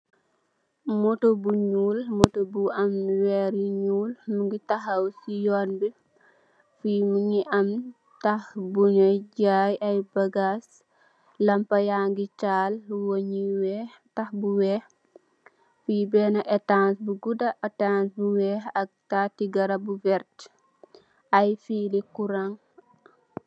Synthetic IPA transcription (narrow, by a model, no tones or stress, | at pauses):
mɔtobuɲuːlmɔtobuʔɐmwɛɾiɲuːlmuŋɡitɐɦɐwsijɔːnbi | fimuŋiʔɐm | tɐhbuɲɔjɟaːjɐjbɐɡas | lɐmpɐjaŋɡit͡ʃaːlwoɲiwɛh | tɐxbuwɛx | fubɛːnɐʔɛtansbuɡudɐʔɐtansbuwɛːxɐk̚tatiɡɐɾɐbuvɛɾt | ɐjfiːlikuɾaŋ